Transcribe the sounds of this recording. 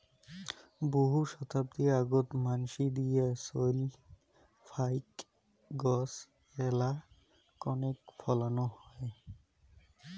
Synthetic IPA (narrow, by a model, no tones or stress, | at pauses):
boɦuʃɔt̪ʰab̚d̪iaɡot̪manʃid̪ijasoli | fʰajk | ɡɔs | ɛla | kɔnekfʰɔlanohɔe